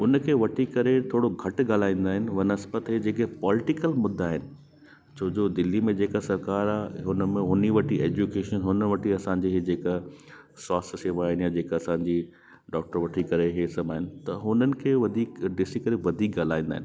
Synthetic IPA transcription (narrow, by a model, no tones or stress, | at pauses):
ʊnkʰeːʋɐʈʰikɐɾet̪ʰoːɽoɡʱɐʈɡaːl̤aːĩːn̆d̪aːɦɪnɪ̆ʋɐnɐsbət̪ɦed͡ʑeːkepɔːlɪʈɪkəlmʊd̪ʱːaːɦɪnɪ̆ | t͡ɕʰoːd͡ʑoːd̪ɪlːimẽd͡ʑeːkasɐɾkaːɾaːɦɦʊnəmẽɦʊniʋɐʈʰieːd͡ʑukeːʃənɦʊnʋɐʈʰiɐsãɲd͡ʑiːɦɪd͡ʑeːkasaːsseːʋaːɦɪnjad͡ʑeːkɐsãːɲd͡ʑi | ɖɔːk̚ʈəɾʋɐʈʰikɐɾeɦesɐbaːɦɪnɪ̆t̪ɐɦʊnənɪ̆kʰeːʋɐd̪ʱiːkɖɪsikɐɾeʋɐd̪ʱiːk̚ɡaːl̤aːĩːnd̪aːɦɪn